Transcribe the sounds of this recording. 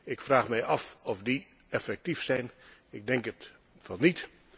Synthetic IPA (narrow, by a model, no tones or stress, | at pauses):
ɪkfraːxmɛjɑfɔfdi | ɛfɛk̚tifsɛjnɪɡ̚dɛŋkət | fɑnit